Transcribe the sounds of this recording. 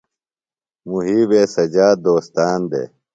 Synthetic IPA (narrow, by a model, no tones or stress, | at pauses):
muɦiːbeːsɐd͡ʑaːd̪oːst̪aːnd̪ḛː